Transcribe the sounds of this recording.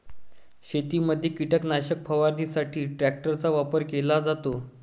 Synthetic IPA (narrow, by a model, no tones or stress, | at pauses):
ɕet̪iməd̪ʱːjekiʈəknaɕək̚pʰəʋaɾd̪iːsaʈʰiːʈɾæk̚ʈəɾt͡saʋapəɾkelad͡zat̪o